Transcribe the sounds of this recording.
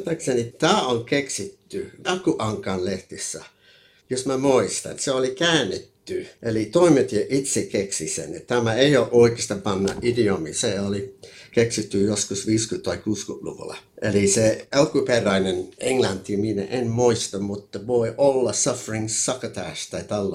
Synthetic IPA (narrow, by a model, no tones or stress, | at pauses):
t̪ɑksenit̪æːoŋkeksit̪ːynɑkuʔɑŋkɑnleht̪isːæ̰ | josmæmoist̪ɑ̰nseolikæːnːet̪ːyʔelit̪oimet̪ieʔit̪sekeksisḛnet̪æmæeioːʔʔoikest̪ɑpɑnːɑ̰ʔidiomḭseolikeksit̪ːyjoskusʋiːskyt̪ɑikuːskyʔlṵʋṵlɑ̰ʔeliseɑlkuperæineneŋlɑnt̪ːiminæ̰ʔenmoist̪ɑmmut̪ːɑʋoiʔolːɑsɑfɹiŋssɑkət̪æ̰ˑst̪ɑit̪ɑlː